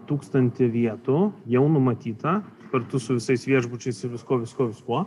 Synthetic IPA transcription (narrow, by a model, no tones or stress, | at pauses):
t̪uːkst̪ɐnʲt̪ʲɪʋʲiɛt̪ʊjɛʊnʊmɐt̪ʲiːt̪ɐskɐɾt̪ʊsʊʋʲɪsɐɪsʋʲiɛʒbʊt͡ʃʲɛɪsɪʋʲɪskoːʋʲɪskuɔʋʲɪskuɔ